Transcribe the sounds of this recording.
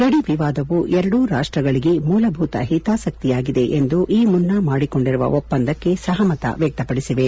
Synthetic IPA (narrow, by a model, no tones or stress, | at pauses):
ɡɐɽiʋiʋaːd̪ɐʋuʔɛɾɐɽuɾaːʂʈɾɐɡɐɭiɡe̞muːlɐbʱuːt̪ɐ̰ɦit̪aːsɐk̚t̪ijaːɡid̪e̞ʔend̪uʔiːmunːɐmaːɽiko̞ɳɖiɾuʋɐ̰ʔopːɐnd̪ʱɐkːe̞sɐɦɐmɐt̪ɐ̰ʋjɛk̚t̪ɐpɐɽisiʋe̞